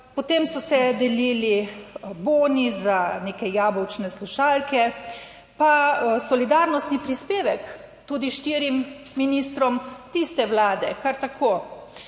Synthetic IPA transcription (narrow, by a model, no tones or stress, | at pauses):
pɔt̪emsɔsɛd̪ɛliːliboːnizaneːkɛjaːbɔwt͡ʃnɛsluʃaːlkɛ | pasɔlid̪aːɾnɔst̪nipɾispeːʋɛk | t̪uːd̪iʃt̪iːɾimː | inist̪ɾɔmt̪ist̪ɛwlaːd̪ɛkaɾt̪akʰoː